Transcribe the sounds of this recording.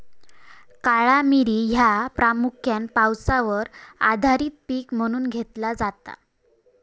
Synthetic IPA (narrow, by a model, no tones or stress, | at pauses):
kaɭamiɾiːɦjapɾamukʰjanpawsaʋəɾa̰d̪ʱaɾiːt̪̚piːkm̤əɽ̃uːnɡʱet̪lad͡zat̪a̰